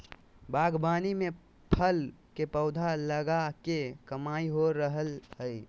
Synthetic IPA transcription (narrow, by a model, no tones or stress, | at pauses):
bʱaːɡbaːnimẽ | pʰəlkepəʊd̪ʱaləɡakekəmaːiɦoɾəɦəlhə